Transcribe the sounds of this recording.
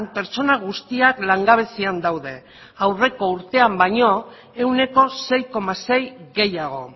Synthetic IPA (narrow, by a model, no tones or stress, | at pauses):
mpe̞ɾt͡ʃo̞naɣ̞ust̪iaklaŋɡaβ̞e̞siand̪awðe̞ | awre̞ko̞uɾt̪e̞ambaɲo̞ | e̞wne̞ko̞se̞jko̞mase̞jɣe̞jaɣ̞o̞̰